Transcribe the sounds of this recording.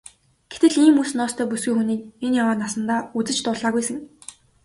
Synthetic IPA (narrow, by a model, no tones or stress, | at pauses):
ɡ̥e̥t̪ɘ̆ɮiːmːuːsnɔːst̪ʰœːpusɡujxuniːk̚enjawaːnasə̆nt̪aːut͡sɘ̆t͡ɕt̪ʊːɮaːɣujsə̆ŋ